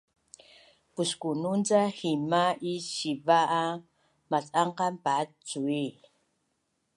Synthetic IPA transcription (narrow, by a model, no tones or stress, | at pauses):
puskunund͡zahimaiɕivaʔa | mat͡sʼaɴqampat͡sui